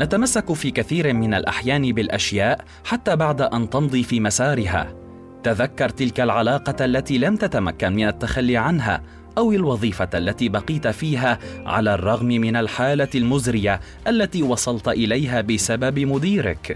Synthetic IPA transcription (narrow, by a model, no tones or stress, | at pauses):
nat̪amasːakfiːkaθiːɾmɪnalʔa̰ħjaːnɪbɪlʔaʃjaːʔ | ħat̪ːaːbaʕd̪aʔant̪ɑnd̪ˤiːfiːmasaːɾɪɦa̰ː | t̪aðakːɑɾˤt̪ɪlkalʕalɑːqɑʔalːat̪iːlamt̪at̪amakːanmɪnat̪ːaxalːiːʕanɦa̰ː | ʔawɪlwɑðˤiːfaʔalːat̪iːbɑqiːt̪fiːɦaːʕa̰laːrˤːɑɣmɪmɪnalħaːlalmʊzɾɪja | ʔalːat̪iːwɑsˤɑlt̪ʔɪlajɦaːbɪsababɪmʊd̪iːɾɪ̰k